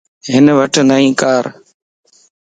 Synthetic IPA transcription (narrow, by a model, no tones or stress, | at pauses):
ɦɪnʋəʈnəɦĩːkaːɾ